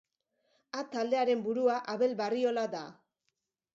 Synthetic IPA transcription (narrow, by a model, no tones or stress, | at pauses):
at̪ald̪e̞aɾe̞mbuɾuaʔaβe̞lβario̞lad̪a